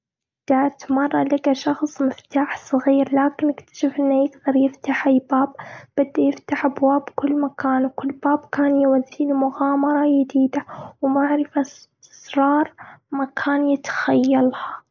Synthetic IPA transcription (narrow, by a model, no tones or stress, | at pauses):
d̪̥aʕt̪mɑrˤːɑlɪɡaʃɑxsˤmɪft̪aːħsˤɨɣiːɾlaːkɪnʔɪkt̪ḁʃɪfʔɪnːajɪɡd̪ɑɾˤjɪft̪aħʔajbaːb̥ːɪd̪ːajɪft̪aħʔabwaːbkʊlːmakaːnwkʊlːbaːbkaːnjɪwaðːiːlmʊɣaːmɑɾˤɑjɪd̪iːd̪awmaʕɾɪfat̪ɪ̥sɾˤɑːɾˤmakʰaːnjɪt̪xajːalha